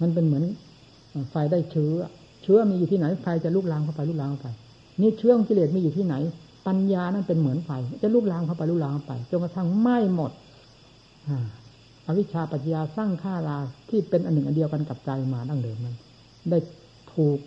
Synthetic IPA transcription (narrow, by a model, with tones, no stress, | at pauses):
ma˧˥np̬e˧nmɯ˩˦ən | ʔːfa˧jda˥˩jt͡ɕʰɯː˦˥ɐ̰˦˧ | t͡ɕʰɯː˦˥ɐ˨miː˧u˨t̪ʰiː˥˩na˨˦jfʰa˧jt͡ɕa˨˩luː˥˩k̚laː˧mkʰa˥˩wpa˧jluː˥˩klaː˧ŋkʰa˥˩pa˧j | niː˦˥˩t͡ɕʰɯ˦˥ɐ˨o˧ŋki˧leː˨˩t̪̚miː˧uː˨˩iː˥˩na˩˦j | pa˧njaː˧na˥˩npe˧nmɯ˩˦ənfa˧jt͡ɕa˨˩luː˥˩k̚laː˧mkʰa˥˩wpa˧jluː˦˥k̚laː˧ŋkʰa˥˩pa̰˧jt͡ɕo˧nka˧t̪ʰa˥˩ŋma˥˩jmo˨˩t̪̚ | ʔaː˧˩ | ʔa˧wi˥t͡ɕʰaː˧pa˨˩t̪̚jaː˧saː˥˩ŋkʰaː˥˩laː˧t̪ʰiː˥˩pe˧nʔa˧nːɯ˨˩ŋʔa˧di˧əwka˧nka˨˩p̚t͡ɕa˧jmaː˧da˧˥˩ŋdɤː˧mːa˧n | daː˥˩j | t̪ʰuː˨˩k̚